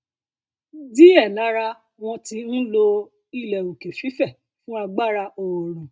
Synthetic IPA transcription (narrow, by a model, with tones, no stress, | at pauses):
di˦ɛ˦˨la˨˦ɾa˧ | w̃ɔ̃˧ti˧n̩˦lo˧ | i˧˨lɛ˨u˨ke˨fi˨˦fɛ˦˨ | fũ˦a˧ɡ͡ba˦˨ɾa˧ʔo˨ɾ̃ũ˨